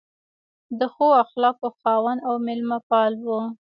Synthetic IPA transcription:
d̪əxoaxlɑkoxɑwanawmɪlmapɑlwu

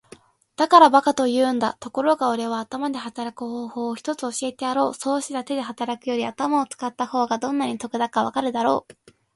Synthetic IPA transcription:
d̪̥akaɾabakat̪o̞jɯ̟ːnd̪a̰t̪o̞ko̞ɾo̞ɡao̞ɾe̞β̞aːt̪amad̪e̞ɦat̪aɾakɯ̟ho̞ːho̞ːçi̥t̪o̞t͡sɨo̞ɕie̞t̪e̞aɾo̞ːso̞ːɕit̪at̪e̞d̪e̞ɦat̪aɾakɯ̟jo̞ɾʲiat̪amao̞t͡sɨ̥kat̪ːaho̞ːɡad̪õ̞nːaɲ̟it̪o̞kɯ̟d̪akaβ̞akaɾɯ̟d̪aɾo̞ː

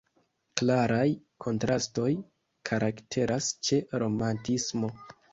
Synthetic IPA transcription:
klaɾaj | kʰo̞ntɾasto̞j | kʰaɾaktʰe̞ɾʔast͡ʃe̞ɾo̞mantismo̞

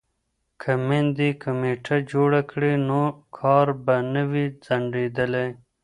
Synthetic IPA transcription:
kʰɐmend̪ikɐmeːʈʰad͡ʒoːɽakɽenokʰɑːɾbɐnəwid͡zɐɳɖeːd̪əle

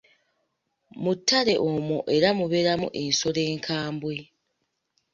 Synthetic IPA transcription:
mutːaɾe̞ʔomoʔe̞ɾamuβe̞ɾamṵʔenso̞le̞ːŋkʰaːmbwe̞

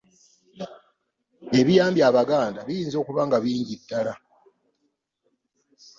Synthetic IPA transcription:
e̞βijaːmbjaːβaɡaːndaβijiːnzo̞ːkuβaːŋɡaβiːɲɟidːala

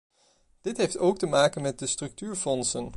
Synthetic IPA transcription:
d̥ɪtɦejftowk̚təmaːkənmɛt̚dəstrɵk̚tyːɹfɔnsən

